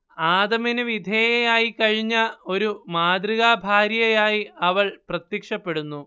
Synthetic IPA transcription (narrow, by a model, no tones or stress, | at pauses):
aːd̪ɐminɨʋid̪ʱeːjɐjaːjikɐɻiɲːɐo̞ɾumaːd̪riɣaːbʱaːɾjɐjaːjiɐʋɐɭprɐt̪jɐkʂɐpːe̞ɽunːu